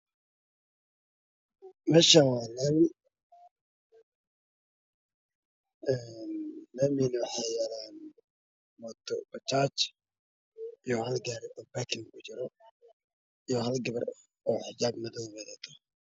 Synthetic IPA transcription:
mɛːʃawɑːnamɪ | ɛːnːɐːmɪnwɑħɑjɛlaːn | mɔd̪ɔbɐt͡ʃaːt͡ʃ | ijɔhɐlɡaːɾɪʔɔːbakʰɪŋkʰʊt͡ʃɪɾɔ | ijɔɦɐlɡɐβɐr | ɔːħɪd͡ʒaːbmɐðɔwmɛðat̪ʰɔ̥

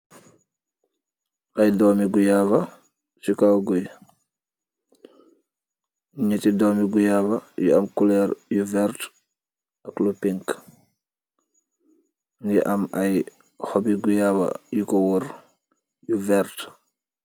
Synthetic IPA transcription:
ʔɐjdɔːmiɡujaːvɐ | sukawɡɔj | ɲətidɔːmiɡujaːbɐjṵɐmkulɛɾjuvɛɾt | ɐklupiŋk | niʔɐmɐj | xɔbiɡujaːbɐ̰jukɔwɔɾ | juvɛɾt

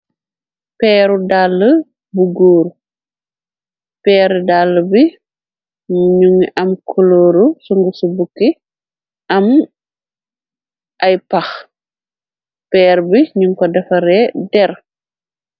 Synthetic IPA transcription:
pɛːɾudalːə | buɡoːɾu | pɛːɾdalːəbi | mɲuŋʔɐmkʰɔloːɾusuŋɡusubukːi | ʔɐm | ʔɐjpɐx | pɛːɾbiɲuŋkɔdɛfɐɾɛdɛɾ

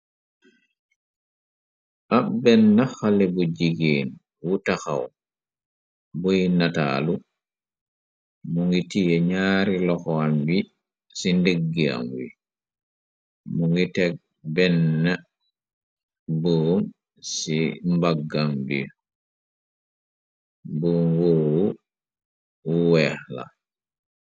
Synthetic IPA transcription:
ʔabɛnːaxalɛbɔd͡ʒiɡiːn | wutaxa̰w | bojinata̰ːlu | muŋɡitijɛɲaːɾilɔxɔamwi | sindeɡːia̰mwḭ | muŋɡitɛɡ̚ | bɛnːa | bom | simbaɡambḭ | bomwowu | wuwɛxla̰

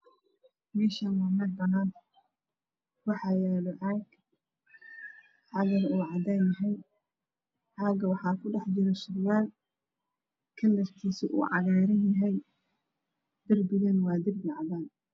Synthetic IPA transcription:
mɛːʃaːnwɑmɐdbɐnaːn | wɑħɑːjɛːlɔʕɑːɡ | ʕɑðɐluːʕɑd̪aːnjɐɦɛj | ʕaːɡɐwɑħɑːkʰʊɖɛħd͡ʒɪɾɛsʊɾjaːl | kʰɐlːɐst̪ʰiːsɪʔṵːʕɑɣɛːɾɐnjɐɦɛj | d̪̥ɪrbɪɣɐnwɑːd̪ɪrbɪʕɑdaːn

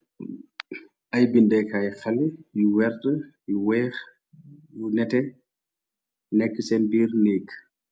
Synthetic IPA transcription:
ʔajbindɛkajɛxalɛjuwɛɾtəjiwɛx | nɛtɛ | nɛkːəsɛndiːɾnekː

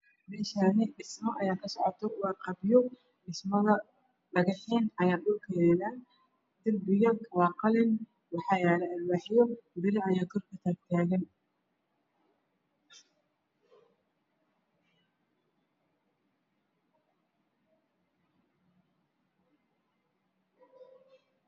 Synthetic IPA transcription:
mɛːʃaːnɪɖɪsmɔʔɐjaːkʰɐsɔʕɔt̪ʰɔwɑːqɑbjɔ | ɖɪsmɐðɐ | ɖɐɣɑħiːnɐjaːɗʊlkʰɛɛnaː | d̪̥ɐlbɪɣɐkʰwɑːqɑlɪn | wɑħɑːjɛːlɐɐrbaːħjɔbɪɾɪʕɐjaːɡʰɔrkʰɐt̪ʰaːɡ̚t̪ʰaːɣɐn

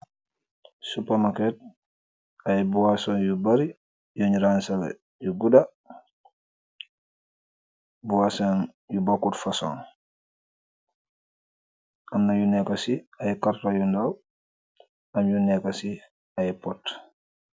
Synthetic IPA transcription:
supamakɛt̚ | ajbuwasɔːnjubaɾi | jɔɲiɾansalɛ̰ | juɡuda | buwasan | jubakutfasɔ̰ːn | ʔamnajunɛkasiajɛkaɾtajundaw | amjunɛkasi | ajɛpɔt

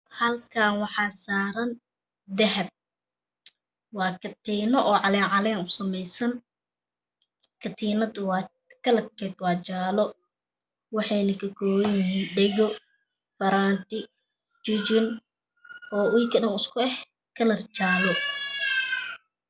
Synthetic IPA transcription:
hɐlkʰaːnwɑħɑːsaːɾɐn | d̪ɛɦɛb̚ | wɑːkʰɐt̪ʰiːnɔʔɔːʕɑlɛːʕɑlɛːnʊsɐmɛjsɐn | kʰɐt̪ʰiːnɐd̪ʊwː | kʰɐlɐkʰɛːd̪wɑːt͡ʃaːlɔ | wɑħɑjnɐkʰɐkʰɔːwɐjɪɦiːnɖɛjɔ | fɐɾaːnt̪ɪ | t͡ʃɪt͡ʃɪn | ʔɔːwiːkʰɐɗɐnɪskʰʊɛh | kʰɐlɐrt͡ʃaːlɔ

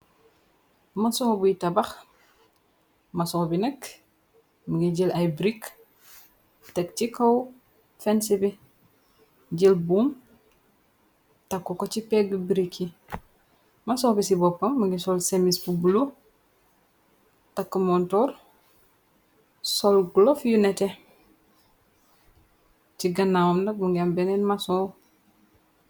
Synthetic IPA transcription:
mɐsɔːbuitabax | mɐsɔːbinɐk | məɡiɟilajbɾik | tɛktikɐw | fɛnsibi | ɟilbuːm | tɐkːukot͡ʃipɛɡbiɾikʰːi | masoːkisibopːɐmmuŋɡisolsemispubulo | takːumontoɾ | solɡulofjunete | t͡ʃiɡɐnawomdak̚muŋɡiambenenmasoː

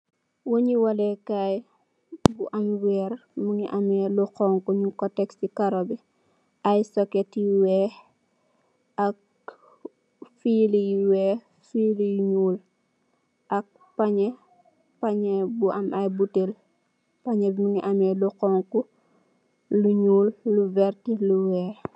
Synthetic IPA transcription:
woɲiwalɛkaj | buʔamwɛːɾmuŋiʔamɛluqɔŋkuɲukɔtɛkstikaɾobi | ajsɔketiwɛ | ak̚ | filijiwɛ | filijiɲuːl | ʔɐk̚ | paɲɛ | paɲɛbuʔamajbutel | paɲɛbimuŋiʔamɛluqɔŋku | luɲuːlːuvɛɾtiluwɛːɾ

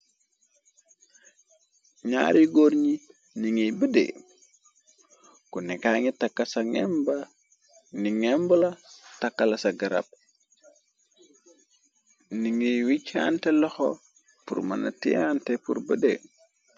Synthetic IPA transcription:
ɲa̰ːɾiɡoɾɲi | niŋijbədḛ | kunɛkaŋitakːasaŋɛ̰mba | niŋɛmbolatakːalasaɡaɾa̰b̚ | niŋijwicːa̰ntelɔxo̰ | pṵɾma̰na̰tḭjantepṵɾbədḛ

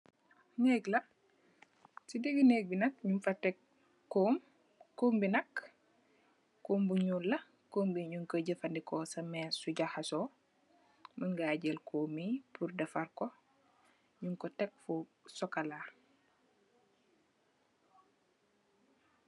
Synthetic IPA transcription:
nɛːɡlɐ | sideɡineːɡ̚binɐk̚ɲumfɐtɛkː | oːm | koːmbinɐk | koːmbuɲuːlːɐ | koːmbiɲuŋkoɟəfɐndikɔsɐmɛsuɟahasɔ | məŋɡaɟelkʰoːmipʰuɾdɐfɐrkɔ | ɲuŋkɔtɛk̚fu | sɔkalaː

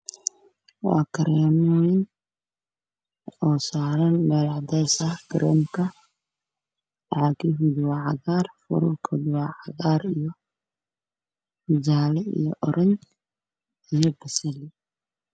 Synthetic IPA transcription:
wɑ̰ːkʰɐɾɛːmwɛn | ɔːsaːɾɐnbɐɾaʕd̪ɛsɐkʰɾɛːmkʰɐ | aɡiɦʊd̪wɑʕɑɣaːrfʊ̰ɾʊlkʰʊd̪wɑʕɑɣaːɾijɔ | hɪd͡ʒaːlɛḭjɔʔɔɾɐn | ijɔbɐsɐli

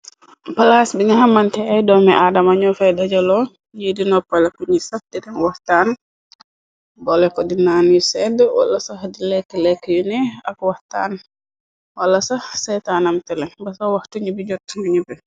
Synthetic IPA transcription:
pɐlasbiŋaɦamːantɛajdɔmɛʔadamaɲɔfɛjdad͡ʒalɔ | jidinɔpːalɐkuɲisahdidɛŋwahtan | bɔlɛkɔdinaːnjusɛdwa̰lːɐsahdilɛkːəlɛkːəjunɛɐkwahta̰ːn | walːɐsɐhsɛjtanamtɛlɛŋbɐsawahtuɲibid͡ʒɔtːmaɲubɛ

